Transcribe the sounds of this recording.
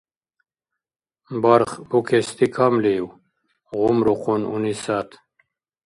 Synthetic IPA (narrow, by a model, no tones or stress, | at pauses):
baɾχbukʰest̪ikʰamlew | ʁumɾuqununisat̪